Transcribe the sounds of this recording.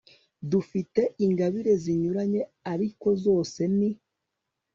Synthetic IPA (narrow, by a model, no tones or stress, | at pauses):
dufite̞ʔiŋɡaβiɾe̞ziɲuɾaɲe̞aɾiko̞zo̞ːse̞ni